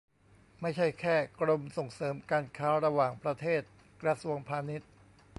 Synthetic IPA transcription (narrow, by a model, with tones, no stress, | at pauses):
ma˥˩jt͡ɕʰa˥˩jkʰɛː˥˩kɾo˧mso˨˩ŋsɤː˩˦mkaː˧nkʰaː˦˥ɾa˧waː˨˩ŋpɾa˧t̪ʰeː˥˩t̪̚ | kɾa˧su˧əŋpʰaː˧ni˦˥t̪̚